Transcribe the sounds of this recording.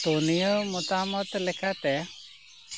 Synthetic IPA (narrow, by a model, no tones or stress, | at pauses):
t̪onijəmɔt̪amɔt̪lɛkʰat̪ɛ